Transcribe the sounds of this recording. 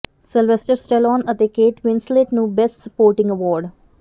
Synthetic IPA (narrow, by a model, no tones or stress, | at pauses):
sɪlʋesʈəɾsʈelɔ̃ːnət̪ekeːʈʋɪ̃nsleːʈnuːbesʈsəpoːɾʈɪ̃ŋɡəʋɔːɾɖ